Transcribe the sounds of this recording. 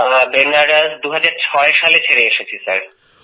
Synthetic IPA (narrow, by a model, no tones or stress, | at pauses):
benaɖasd̪uɦad͡ʑaɾt͡ɕʰɔeʃalet͡ɕʰeɾeeʃet͡ɕʰisa̰ɾ